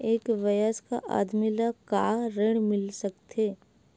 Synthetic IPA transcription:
eːkʋɐjaska̰ʔa̰ːd̪milakaːɾeɽ̃mɪlsɐk̚t̪eː

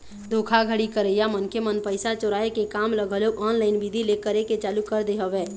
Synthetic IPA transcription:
d̪oːkʰaɡʱəɽikəɾəjamənkemənpəɪsat͡ʃoɾaːekekaːmləɡʱəloʔɔːnlaːɪnbid̪ʱilekəɾeket͡ʃaːlukəɾd̪eɦəʋeː

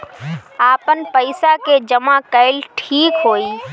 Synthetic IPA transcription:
aːpənpəɪsaked͡ʒəmakəɪlʈʰiːkɦoːi

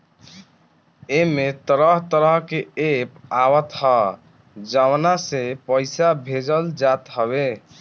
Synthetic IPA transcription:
emet̪əɾəɦt̪əɾəɦkeepawət̪ɦə | d͡ʒəwnasepəɪsabʱed͡ʒəld͡ʒat̪ɦəβe

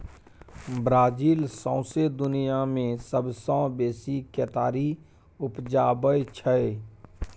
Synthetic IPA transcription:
bɾaːd͡ʒiːlsɔ̃ʊsed̪ʊnijamẽsəbsɔ̃ːbeːsikeːt̪aːɾi | ʊpd͡ʒaːbəjt͡ʃʰəe

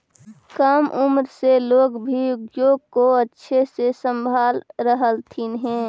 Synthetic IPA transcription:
kəmʔʊmɾseloːɡbʱiʊɡjoːɡ̚koətːʃʰesesə̃mbʱaːlɾəɦəlt̪ʰinɦɛ̃ː

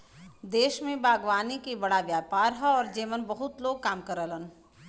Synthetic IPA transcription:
d̪eːʃmẽbʱaːɡʋaːnikibɐɽaʋjaːpaːɾɦɐɔːɾd͡ʒeːmənbɐɦʊt̪loːɡ̚kaːmkəɾələn

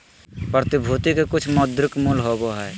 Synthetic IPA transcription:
pəɾt̪ɪbʱuːt̪ikekʊt͡ʃʰmɔd̪ɾɪkmulɦoɡoɦɛː

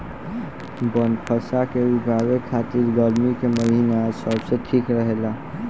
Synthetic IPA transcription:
bənpʰəsakeʋibʱaɡekʰːat̪iɾɡəɾmikeməɦinasəbsẽʈʰikɾəɦela

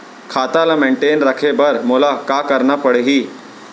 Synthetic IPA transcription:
kʰat̪alameɳʈenɾəkʰebəɾmulakakəɾɳapəɽeɦiː

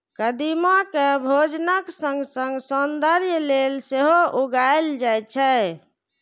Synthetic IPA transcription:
kəd̪imakebʱod͡ʒnəksə̃ŋɡsəŋɡsond̪əɾjəlelseɦoʔuɡaeld͡ʒajt͡ʃʰɛ

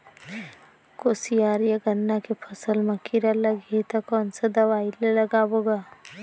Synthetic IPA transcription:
koːsijaːɾijaɡənːakepʰəsəlmɐkiɾalɐɡet̪akɔːnsad̪ɐʋaːɪlelɐɡaːboɡaː

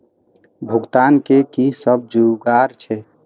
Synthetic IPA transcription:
bʱuɡt̪ankekisəb̚d͡ʒuɡaɾt͡ʃʰɛ

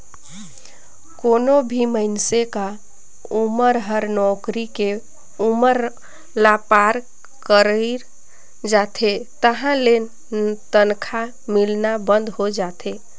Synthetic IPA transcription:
konobʱiməɪnseka | uməɾɦəɾnɔkɾike | uməɾ | lapaɾ | kəɾəɾ | d͡ʒat̪ʰet̪əɦãlen | t̪ənkʰa | milnabənd̪ɦod͡ʒat̪ʰe

